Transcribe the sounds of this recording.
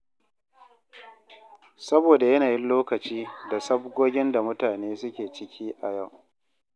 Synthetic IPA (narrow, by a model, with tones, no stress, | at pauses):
sɐ˦boː˨da˨jɐ˦naː˨jɪ˦nloː˦kɐ˨t͡ʃiː˦da˨sɐ˦b̚ɡʷoː˦ɡʲɪ˦nda˨mʊ˦taː˨neː˦sʊ˦kʲeː˨t͡ʃɪ˦kʲʰiː˦ʔa˨ja˦˨w